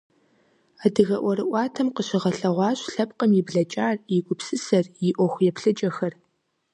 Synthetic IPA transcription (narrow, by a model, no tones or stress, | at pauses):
adɨɣɐʔʷɔɾɨʔʷɑːtʰɐmqəɕɪʁɐɬɐʁʷɑːɕɬɐp̚qəmjɪbɮɐt͡ʃʼaːrjiɡʷʼʊpsɨsɐrjɪʔʷɔxʷjɛpʰɬɨd͡ʒʼɐxɐr